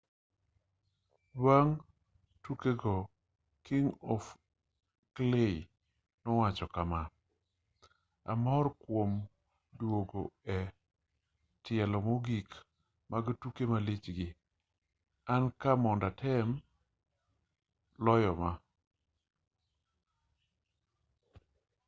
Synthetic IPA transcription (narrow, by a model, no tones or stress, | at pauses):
waŋ | tukeɡɔ | kiŋɔf | klei | nɔwat͡ʃɔkama | a̰mɔrkwom | dwoɡoɛ | tɪɛlɔmoɡik | maɡtukemalit͡ʃɡɪ | ankamɔndatʰɛm | lɔjɔma